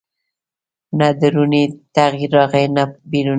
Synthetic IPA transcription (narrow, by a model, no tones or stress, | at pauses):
nad̪əɾunit̪aɣjiɾːɑɣajnabiɾu